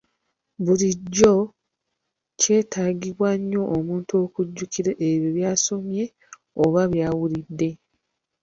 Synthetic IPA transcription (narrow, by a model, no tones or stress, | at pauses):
βuliɟːo̞ | ce̞ːtaɡiβwaɲːo̞ʔːmuːntuo̞ːkuɟːukiɾeʔeβjiβjaːso̞mje̞ | oβaβjaːwulidːe̞